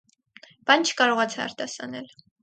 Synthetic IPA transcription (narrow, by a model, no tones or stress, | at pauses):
b̥ɑnt͡ʃʰə̥kɑɾɔʁɑt͡sʰɛɑ̰ɾt̪ɑsɑ̰nɛl